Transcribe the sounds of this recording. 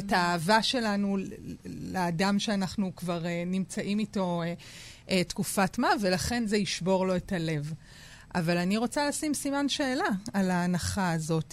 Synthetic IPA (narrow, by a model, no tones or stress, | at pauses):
etaːvaʃe̞lanu | leːdamʃeanaχnukvaʁenimt͡saʔimito̞e | ʔetkufatmave̞laχe̞nzeiʃbo̞ʁlo̞etale̞v | ʔa̰valaniʁo̞t͡salasimsimanʃeːlaːlaːnaχaːzo̞t